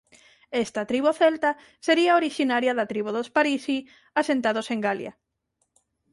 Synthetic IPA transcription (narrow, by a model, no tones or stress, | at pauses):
est̪ɐt̪ɾiβoθelt̪a | seɾiaoɾiʃinaɾjɐðɐt̪ɾiβuðospaɾisi | asent̪aðoseŋɡaljɐ̰